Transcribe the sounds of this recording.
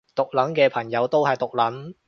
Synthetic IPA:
t̪ʊ˨k̚lɐ˨˥nkɛː˧pʰɐ˨˩ŋjɐ˨˧˥wt̪o˥wɦɐ˨jt̪ʊ˨k̚lɐ˨˥n

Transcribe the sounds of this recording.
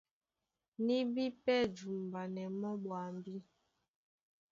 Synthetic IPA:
ni˦bi˦pɛ˦d͡ʒu˨m˨ba˨nɛ˨mɔ˦ɓwa˨m˨bi˦

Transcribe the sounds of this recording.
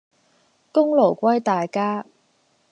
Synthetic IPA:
kʊ˥ŋlo˨˩wkʷɐ˥jt̪aː˨jkaː˥

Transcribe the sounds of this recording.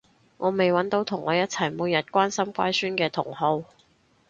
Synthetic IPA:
ŋʔɔː˨˧me˨jwɐ˨˥nt̪o˨˥wt̪ʰʊ˨˩ŋʔɔː˨˧jɐ˥t̚t͡sʰɐ˨˩jmuː˨˧jɐ˨t̚kʷaː˥nsɐ˥mkʷa̰ː˥jsyː˥nkɛː˧t̪ʰʊ˨˩ŋho˨˧w

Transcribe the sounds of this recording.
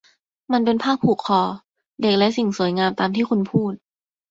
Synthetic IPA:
ma˧np̬e˧npʰaː˥˩k̚pʰuː˨˩kʰːɔː˧ | de˨˩k̚lɛ˦˥ʔsi˨˩ŋsu˨˩˦əjŋaː˧mt̪aː˧mt̪ʰiː˥˩kʰu˧npʰuː˥˩t̪̚

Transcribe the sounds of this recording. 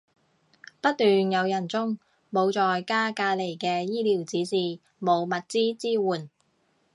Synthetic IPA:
pɐ˥t̚t̪yː˨njɐ˨˧wjɐ˨˩nt͡sʊ˥ŋ | mo˨˧wt͡sɔː˨jkaː˥kaː˧le˨˩jkɛː˧jiː˥liː˨˩wt͡siː˨˥siː˨˩ | mo˨˧wmɐ˨t̚t͡siː˥t͡siː˥wuː˨˩n

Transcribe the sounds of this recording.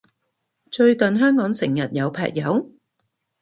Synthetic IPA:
t͡ʃɵ˧ɥkɐ˨nɦœː˥ŋkɔː˨˥ŋsɪ˨˩ŋjɐ˨˩t̚jɐ˨˧wpʰɛ̰ː˨k̚jɐ˨˧w

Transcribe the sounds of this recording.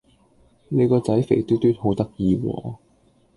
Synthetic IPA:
ne˨˧jkɔː˧t͡sɐ˨˥jfe˨˩jt̪yː˥t̪yː˥t̪̚ho˨˥wt̪ɐ˥k̚jiː˧wɔ̰ː˨˧

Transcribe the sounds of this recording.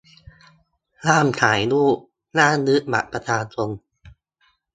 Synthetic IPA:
laː˥˩mk̪ʰaː˩˦jluː˥˩ | naː˥˩nɯ˦˥ma̰˨˩t̚pɾa˧t̪ʰaː˧nsʰo˧n

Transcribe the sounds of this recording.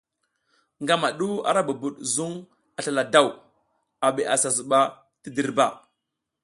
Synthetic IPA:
ŋɡa˦ma˨ɗu˦a̰˨ɾa˦ba˨bu˨ɗzu˦ŋ | a˨ɬa˨la˨da˦˨w | a˨ɓe˨ʔa˨sa˨zu˨ɓa˦ | ti˦di˨ɾba˨

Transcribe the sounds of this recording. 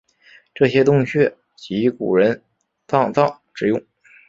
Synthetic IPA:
ʈ͡ʂɤ˥˩ɕjɛ˥t̪ʊ˥˧ŋɕɥɛ˥˩ | t͡ɕi˧˥kṵ˨˩ɻə˧˥n | t̪ɑ˥˧ŋt͡s̪ɑ˥˩ʊ | ʈ͡ʂɻ̩˨˩jʊ˥˩ŋ

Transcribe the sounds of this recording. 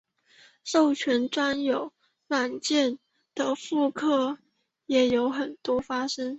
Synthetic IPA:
ʂo˥˩ʊt͡ɕʰɥɛ˧˥nʈ͡ʂwa˥njo˨˩ʊ | la˨˩nt͡ɕjɛ˥˩n | d̪̥ə˨fu˥˧kʰɤ˥˩ | jɛ˨˩jo˧˥ʊxə˨˩nt̪wɔ˥fa˥ʂə˥ŋ

